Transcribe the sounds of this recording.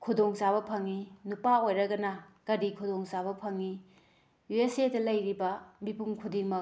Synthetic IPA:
kʰudoŋsaβɐpʰɐŋːinupaojɾɐɡɐnɐkɐdikʰudoŋsabɐpʰɐŋi | juesedɐlɐjɾibɐmipuŋkʰudiŋmɐ

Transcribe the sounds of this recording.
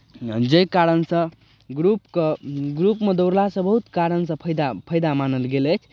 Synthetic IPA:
d͡ʒəjkaɾənsə̃ | ɡɾupkəɡɾupmed̪oʊɾlasə̃bəɦut̪kaɾənsə̃pʰjd̪apʰəjd̪amanəlɡelət͡ʃʰ

